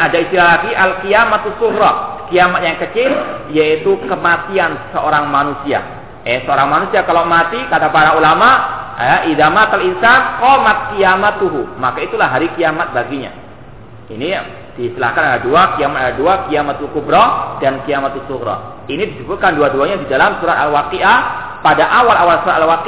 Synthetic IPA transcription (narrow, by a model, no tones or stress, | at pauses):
ad͡ʒakist̪ilalaɡiʔalkiamat̪usuɣɾɔkiamat̪̚jaŋkət͡ʃɪljait̪ukəmat̪iansəʔoɾaŋmanusia̰ | ɛsəoɾaŋmanusiakalomat̪ikat̪apaɾaulamaʔaʔidamat̪alinsankɔmat̪̚kiamat̪uɦumakait̪ulaɦaɾikiamat̪̚baɡiɲa̰ | ini | d̥ist̪əla̰hkanaɡaduakiamat̪̚adaduakiamat̪ukubɾɔdankiamat̪usuɡɾɔ̰ | inidisubut̪kanduaduaɲadidalamsuɾat̪alwakiʔa | padaʔawalawalsuɾat̪alwaki